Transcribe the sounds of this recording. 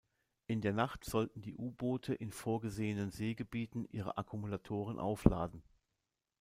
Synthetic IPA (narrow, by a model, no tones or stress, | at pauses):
ʔɪndeːɐnaχtz̥ɔltn̩diːʔuːboːtʰəʔɪnfoːɐɡəzeːənənzeːɡəbiːtn̩ʔḭːʁ̞ə̰ʔakʰumulatʰoːʁ̞ənʔa̰ʊfla̰ːdn̩